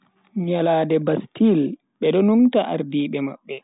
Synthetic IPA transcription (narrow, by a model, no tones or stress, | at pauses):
ɲalaːdɛbastil | ɓɛɗɔnuŋtaʔa̰ɾdiːɓɛma̰ɓːɛ